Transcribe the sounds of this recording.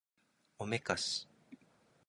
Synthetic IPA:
omekasɨ̥

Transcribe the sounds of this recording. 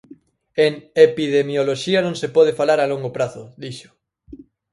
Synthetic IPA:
eŋepiðemjoloʃianõŋsepɔð̞efalaɾaloŋɡopɾaθoðiʃo̥

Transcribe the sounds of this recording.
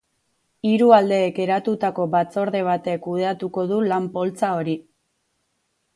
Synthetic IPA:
iɾuald̪e̞ːke̞ɾat̪ut̪ako̞βat͡so̞ɾðe̞β̞at̪e̞kuðe̞at̪uko̞ð̞ulampo̞lt͡sao̞ɾi

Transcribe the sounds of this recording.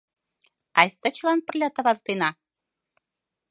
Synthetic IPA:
ɑjst̪ə̆t͡ɕlɑnpə̆rlʲɑt̪ɤ̆βɑzt̪enɑ

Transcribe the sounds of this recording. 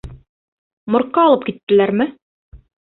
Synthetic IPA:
mŏɾqːɑːlˠɤp̚kit̪ːɘ̆læɾmɘ

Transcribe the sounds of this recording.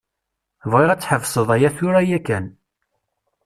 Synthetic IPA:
vʁiʁæt͡sːħəvsˤəðˤæjæθʊɾæjækæn

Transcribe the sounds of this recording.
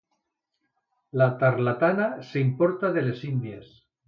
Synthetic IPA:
lat̪aɾlat̪anaseimpoɾt̪aðelesind̪jes

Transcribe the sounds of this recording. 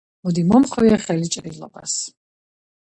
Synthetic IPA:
mud̪imɔmχwiɛχɛlit͡ʃʼɾilɔ̰ba̰s

